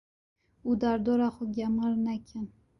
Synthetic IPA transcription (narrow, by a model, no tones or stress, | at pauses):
ud̪aɾd̪oɾaχʊɡʲamaɾnakʲʰan